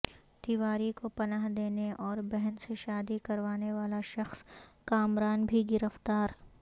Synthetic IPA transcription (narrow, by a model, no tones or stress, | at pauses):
d̪̥iʋaːɾikopɐnaːɦd̪eːneɔːɾbɛɦɛnseʃaːd̪ikɐɾʋaːneʋaːlaʃɐxskaːmɾaːnbʱiɡɪɾəft̪aːɾ